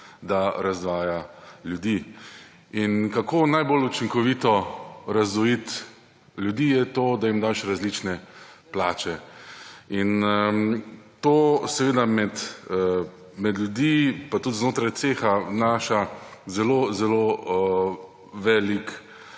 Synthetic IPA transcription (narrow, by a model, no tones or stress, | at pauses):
d̪aɾazʋaːjaljud̪iː | inkakonajbolut͡ʃiŋkɔʋiːt̪ɔɾazʋɔjit̪ | lʲjud̪iːjɛt̪oːd̪aimd̪aʃɾazliːt͡ʃnɛplaːt͡ʃɛ | in | t̪oːsɛʋeːd̪amɛt̪ | mɛd̪lʲjud̪ipat̪ut̪znoːt̪ɾajt̪seːxanaʃazɛloːzɛloː | ʋɛːlik